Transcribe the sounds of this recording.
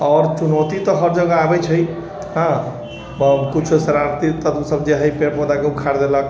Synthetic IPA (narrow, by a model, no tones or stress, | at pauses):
ɔɾt͡ʃunɔt̪it̪ɔɦʌɾd͡ʒəɡaabɛt͡ʃʰəj | ɦã | bəkut͡ʃʰusəɾaɾt̪it̪ət̪msəbd͡ʒeɦəjpeɾpɔd̪akebkʰaɾd̪elək